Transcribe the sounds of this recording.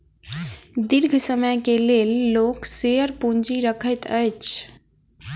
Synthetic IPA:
d̪iɾɡʱsəməjkelelːokseəɾpund͡ʒiɾəkʰəjt̪əjt͡ʃʰ

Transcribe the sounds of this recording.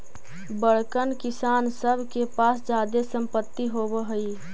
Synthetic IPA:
bəɽkənkɪsaːnsəbʱkepaːsd͡ʒaːd̪esə̃mpət̪ːiɦobəɦəi

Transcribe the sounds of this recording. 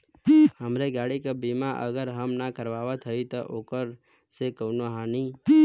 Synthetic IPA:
ɦəmɾeɡaɽikəbimãʔə̰ɡəɾɦəmnakəɾʋaʋat̪ʰəit̪oʔokəɾ | sekəwnoɦãni

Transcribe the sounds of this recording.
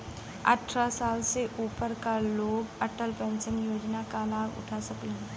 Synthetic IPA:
ə̰ʈʰɾasaːlseʔuːpəɾkaloːɡəʈəlpə̃nt͡ʃənjoːd͡ʒnakalaːɡʊ̰ʈʰasəklẽ

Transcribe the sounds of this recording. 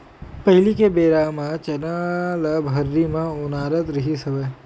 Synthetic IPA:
pɐɦɪlikebeːɾaːmãt͡ʃɐnaləbʱɦɐɾːimãʊnaːɾət̪ɾɐɦisɐbeː

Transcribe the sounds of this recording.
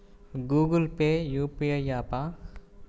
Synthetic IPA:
ɡuːɡəlpejuːpiejaːpa

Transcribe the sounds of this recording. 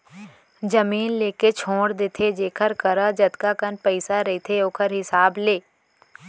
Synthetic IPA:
d͡ʒəmiːnleːket͡ʃʰoːɽd̪eːt̪ʰed͡ʒeːkʰəɾkəɾad͡ʒɐt̪kakənpəɪsaɾɐit̪ʰeoːkʰəɾɦɪsaːbleː

